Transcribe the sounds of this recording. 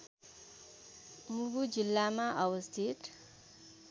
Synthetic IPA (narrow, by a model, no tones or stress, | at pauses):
muɡud͡zilːamaʔʌwʌst̪ʰit̪